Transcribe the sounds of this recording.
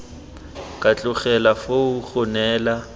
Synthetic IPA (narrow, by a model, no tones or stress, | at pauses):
kʼat͡ɬʼʊχɛlafouɣʊnɛːla